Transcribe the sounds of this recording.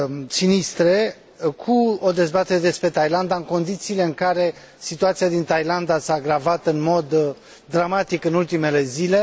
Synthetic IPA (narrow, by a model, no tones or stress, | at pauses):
sinist̪ɾe̞ | kʰuo̞d̪e̞zbat̪e̞ɾed̪e̞spɾe̞t̪ajland̪aɨŋko̞nd̪it̪siːle̞ɨŋkaɾe̞ | sit̪uat̪siad̪int̪ajland̪asaːɡɾavat̪ɨnmo̞d̪ː | ɾamat̪ikɨnult̪ime̞le̞zile̞